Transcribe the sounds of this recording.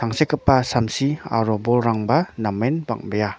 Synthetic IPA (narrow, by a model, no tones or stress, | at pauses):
aŋsekəpːasamsia̰ɾɔbɔlɾaŋbanamenba̰ŋ̚beja